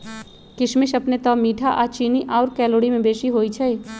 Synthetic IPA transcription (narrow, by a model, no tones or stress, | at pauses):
kɪʃmɪʃɐpnet̪ɔːmiːʈʰaʔaːt͡ʃiːniʔaːɾkɛːloːɽimẽbeːʃiɦoːit͡ʃʰɛe